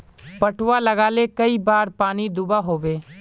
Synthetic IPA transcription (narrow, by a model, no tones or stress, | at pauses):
pəʈwalɐɡaːlekɐibaːɾpaːnid̪ʊbaɦoːʋeː